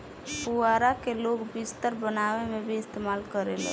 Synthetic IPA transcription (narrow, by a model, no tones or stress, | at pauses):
puaɾakeloɡbist̪əɾbənawemebʱiɪst̪emalkəɾelɛ̰̃